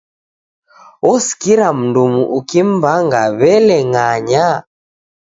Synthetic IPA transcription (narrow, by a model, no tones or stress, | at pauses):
ɔsi̥kiɾam̩ndumuʔukim̩baŋɡaβɛlɛŋaɲa